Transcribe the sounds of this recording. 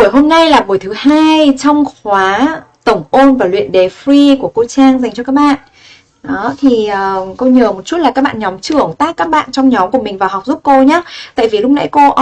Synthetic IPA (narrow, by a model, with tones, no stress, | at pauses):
u˧˩əjɦo˧mna˧jlaː˨˩ɓu˨˩əjt̪ʰɨ˨˦haː˧jt͡ɕɔ˧wŋ͡mxwaː˨˦t̪ə˧˩wŋ͡mʔo˧nvaː˨˩lwḭ˧˨ənɗe˨˦fɾi˧ku˧˩əko˧t͡ɕaː˧ŋza˨˩jŋ̟t͡ɕɔ˧kaː˦˥k̚ɓa̰ː˧˨n | ɗɔ˨˦t̪ʰi˨˩əː˨˩ko˧ɲəː˨˩mo˨˩t̚t͡ɕu˦˥t̚laː˨˩kːaː˦˥k̚ɓa̰ː˧˨ɲɔ˨˦mt͡ɕɨ˧˩əŋt̪aː˦˥kːaː˦˥k̚ɓa̰ː˧˨nt͡ɕɔ˧wŋ͡mɲɔ˨˦mku˧˩əmï˨˩ŋ̟vaː˨˩wɦa˨˩wk͡p̚zu˦˥p̚ko˧ɲaː˨˦t̪a̰ː˧˨jvi˨˩lʊ˦˥k͡p̚na̰˧˥jko˧